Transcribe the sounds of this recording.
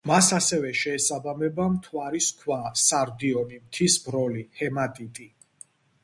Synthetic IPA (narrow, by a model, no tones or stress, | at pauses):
masasɛvɛʃɛːsabamɛbamt̪ʰwaɾiskʰwasaɾd̪iɔnimt̪ʰisbɾɔlihɛmat̪ʼit̪ʼi